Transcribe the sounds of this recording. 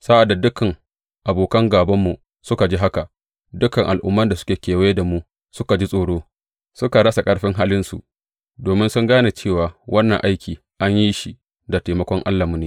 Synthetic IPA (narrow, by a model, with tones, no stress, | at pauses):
sa˦ʔa˨dːa˨dʊ˦kːɐ˨ŋ | ʔa˨boː˨kɐ˦ŋɡaː˨bɐ˦mːu˨ | sʊ˦ka˨d͡ʒi˦ɦa˦ka˨ | dʊ˦kɐ˨ŋʔa˨lʔʊ˦mːɐ˦nda˨sʊ̥˦kʲeː˨kʲeː˨we˦da˨mu˦ | sʊ˦ka˨d͡ʒi˦sʼoː˨ɽoː˦ | sʊ˦ka˨ɽɐ˦sa˨kʼɐ˦ɽɸɪ˦ŋɦaː˦lɪ˦nsṵ˨ʔ | doː˨mɪ˦nsʊ˦ŋɡaː˦na˨t͡ʃeː˦˨waː˨wʔɐ˦nːɐ˨ŋʔa˦jkʲiː˨ | ʔa˦ɲji˦ʃi˨ | da˨teː˨mɐ˦kʷɔ˦ŋʔa̰˦lːa˨mʊ˦neː˨